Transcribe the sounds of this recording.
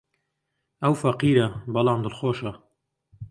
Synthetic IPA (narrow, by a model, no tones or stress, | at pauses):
ʔɐwfɐqiːɾɐbɐlɑːmd̪əlxoːʃɐ